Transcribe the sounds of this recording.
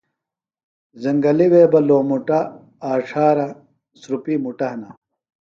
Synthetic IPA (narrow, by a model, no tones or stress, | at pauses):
zɐŋɡɐliweːbɐloːmuʈa | aːʂaːɾɐ | sɾupimuʈɐɦna